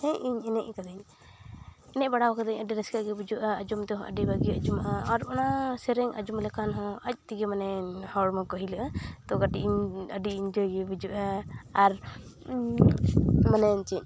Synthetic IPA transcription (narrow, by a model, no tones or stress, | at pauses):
hɛ̃iɲɛnɛʔkad̪aɲ | ɛnɛʔbaɽawakad̪aɲəɖiɾɛskaɡɛbud͡ʒuʔaːd͡ʒumt̪ɔɦɔ̃ʔə̰ɖibaɡiəd͡ʒumaʔaaɾɔnasɛɾɛŋʔə̰d͡ʒumlɛkanɦɔ̃əc̚ˀt̪iɡɛmanɛhɔɽmakɔɦilaʔat̪ɔɡaʈiʔɲəɖiːɲd͡ʒɔjɡɛbud͡ʒuʔaːɾ | manɛɲt͡ʃic̚